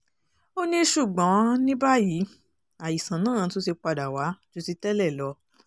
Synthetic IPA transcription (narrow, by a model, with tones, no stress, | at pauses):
o˦nĩ˦ʃu˦˨ɡ͡bɔ̃˨˦nĩ˦ba˦ji˨˦ | a˨ji˨sã˨nãː˦˨˧to˦se˧k͡pa˧da˨wa˨˦d͡ʒo˧ti˧tɛ˦lɛ˦˨lɔ˧